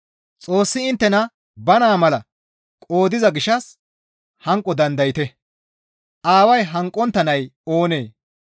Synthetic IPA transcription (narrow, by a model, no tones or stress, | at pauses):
t͡sʼoːsːɪɪnt̪ːɛnɐ | bɐnaːmɐlɐ̰ | kʼo̞ːd̪ɪzɐɡɪʃɐs | hɐŋkʼːɔd̪ɐnd̪ɐjɪt̪ɛ | ʔaːwɐjɦɐŋkʼːɔnt̪ːɐnɐjoːneː